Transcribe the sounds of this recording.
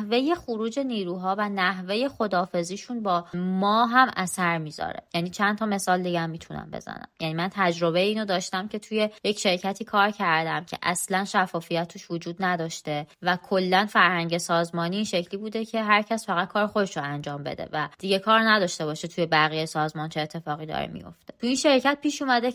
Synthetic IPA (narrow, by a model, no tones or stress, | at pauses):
hve̞je̞χoɾuːd͡ʒe̞niːɾuːɦɒːvænæɦve̞je̞χo̞d̪ɒːfe̞ziːʃunbɒːmɒːɦæmæsæɾmiːzɒ̰ːɾḛjæniːt͡ʃʰænt̪ʰɒːme̞sɒːld̪iɟæmːiːt̪ʰunæ̰mbḛzæ̰næ̰mjæniːmænt̪ʰæd͡ʒɾo̞βe̞iːnod̪ɒːʃt̪æmcʰe̞t̪ʰuje̞je̞cʃe̞ɾcʰæt̪ʰiːkʰɒːɾcʰæɾd̪æmcʰḛʔæslænʃæfːɒːfijæt̪ʰːuʃvod͡ʒuːd̪̚næd̪ɒːʃt̪e̞vækʰolːænfæɾhæŋɟe̞sɒːzmɒːniːnʃecʰliːbuːd̪e̞cʰe̞ɦæɾcʰæsfæɣæd̪̚kʰɒːɾexo̞d̪eʃoænd͡ʒɒːmbe̞̰d̪e̞̰væd̪̥iɟe̞kʰɒːɾnæd̪ɒːʃt̪e̞bɒːʃet̪ʰuje̞bæɣijesɒːzmɒːnt͡ʃʰeːt̪ʰːefɒːɣiːd̪ɒ̰ːɾḛmḭjo̰ft̪e̥t̪ʰuinʃe̞ɾcʰæt̪̚piːʃuːmæd̪e